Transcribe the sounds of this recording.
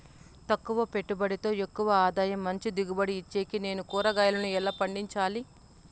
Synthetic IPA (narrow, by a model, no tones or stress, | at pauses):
t̪ɐkːuʋɐpe̞ʈːubɐɽit̪o̞ːe̞kːuʋɐaːd̪aːjɐmːɐɲt͡ʃid̪iɡubɐɽiːt͡ʃːeːkine̞ːnukuːɾɐɡaːjɐlɐnuɛlːaːpɐɳɖiɲt͡ʃaːli